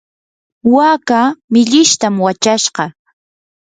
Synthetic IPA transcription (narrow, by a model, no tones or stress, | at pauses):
waːkamɪʎɪʃt̪amwat͡ʃaʃɢɑ